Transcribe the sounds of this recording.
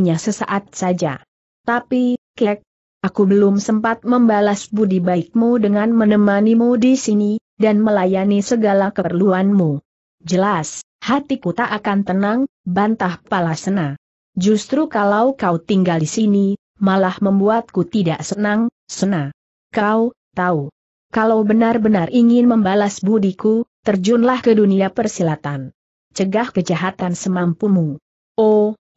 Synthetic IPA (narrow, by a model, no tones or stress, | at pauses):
ɲasəsaʔat̪̚sad͡ʒa̰ | t̪apikɛk̚ | ʔakubəlʊmsəmpat̪̚məmbalasbudibaɪk̚mudəŋanmənəmanimudisini | danməlajanisəɡalakəərluanmu | d͡ʒəlas | hat̪ikut̪aʔːkant̪ənaŋbant̪ahpalasəna | d͡ʒust̪ɾukalawkaut̪iŋɡaldisini | malahməmbuat̪̚kut̪idaʔsənaŋ | səna | kau | t̪au | kalawbənarbənariŋɪnməmbalasbudikut̪ərd͡ʒunlahkəduniapərsilat̪an | t͡ʃəɡahkəd͡ʒaɦat̪ansəmampumu | ʔo